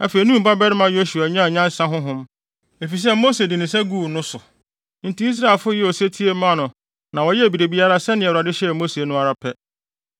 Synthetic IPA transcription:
æ˨fe˨i˨nũ˦m̩˨ba˦bɛ˦ɾɪ˦mã˨jo˦su˨a˨ɲã˦˨ɲã˦n̩˦sã˦ɦʊ̃˦ɦʊ̃˦m | e˨fi˨s̬ɛ˦mo˦se˨dɪ˨nɪ̃˨s̬ɛ˦ɡu˦˨nʊ̃˦sʊ˨ | n̩˨tĩ˨˦i˦s̬ɾa˦˨lfʊ˦jɛ˦ɔ˨se˦tʰi˦e˦mã˦˨nʊ̃˨ | nã˨wɔ˨jɛ˦æ˨bi˨ɾe˨bi˨a˦ɾa˦sɛ˦nɪ̃˨ɛ˨ɾa˨dɪ˦ɕɛ˦˨mo˦se˨nʊ̃˦a˨ɾa˦pʰɛ˦

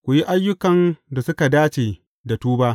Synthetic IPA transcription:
kʷu˨ji˦ʔa˦jːʊ˦kɐ˨nda˨sʊ˦ka˨daː˦t͡ʃeː˨ | da˨tuː˦baː˦ʔ

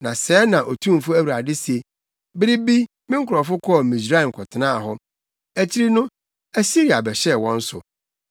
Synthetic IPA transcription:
nã˨sɛː˨˦nã˨ʔo˨tʰũ˦m˨fʊ˦æ˦wi˨ɾa˨dɪ˦se˨ | bɪ˦ɾɪ˦bi˦ | mɪ̃˦ŋ̩˦kʰʊ˨ɾɔ˨fʊ˦kʰɔ˦˨mĩ˨sɾa˦i˨m̩˨kʰɔ˨tʰɪ˨nã˦a˨ɦɔ˦ | æ˨t͡ɕʰi˦ɾi˦nʊ̃˦ | æ˦si˦ɾi˨a˨bɛ˨ɕɛ˦˨wɔ̃˦n̩˦sʊ̰˨

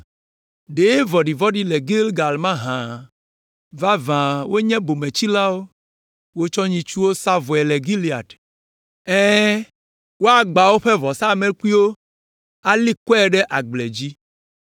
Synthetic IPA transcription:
ɖe˨˦vɔ˨ɖi˨vɔ˦ɖi˦lɛ˨ɡi˦lɡa˨lmã˦ɦã˨ | va˦vã˨wo˦ɲɛ̃˦bo˨mɛ̃˨t͡ɕi˦la˦wo˦ | wo˦t͡ʃɔ˦ɲĩ˦t͡ʃu˦wo˦sa˦vɔ˨ɛ˨le˨ɡi˦li˨a̰˨ɖ | ɛ̃ː˦ | wo˦a˨ɡ͡ba˨wo˦ɸɛ˦vɔ˨sa˦˨mẽ˦ku˦i˦wo˦ | a˦li˦kɔ˦ɛ˨ɖɛ˦ʔa˨ɡ͡blɛ˨d͡ʑi˦

